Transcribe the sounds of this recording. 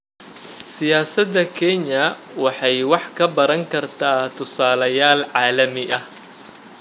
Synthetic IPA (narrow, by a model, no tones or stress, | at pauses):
sɪjaːsɐd̪ɐkʰɛɲɐ | wɑħɑjwɑħkʰɐbɐɾɐŋkʰɐrt̪ʰaːt̪ʰʊsaːlɐjaːlʕɑːlɐmɪʔɐh